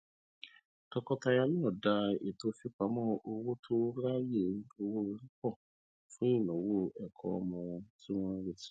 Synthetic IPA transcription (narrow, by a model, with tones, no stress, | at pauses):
kɔ˧kɔ˧ta˧ja˧nĩ˦ɔ˦˨da˧ḛ˨to˦fi˦k͡pa˨˦mɔ̃˦ʔo˧wo˦tʰo˦ɾa˦je˦˨˦o˧wo˦˧ɾi˦k͡pɔ˦˨ | fũ˦i˦˨nɔ̃˨wo˦ɛ˨kʰɔ̰˧ɔ˧˦mɔ̃˧wɔ̃˧ti˦w̃ɔ̃˦ɾe˦˨ti̥˨˦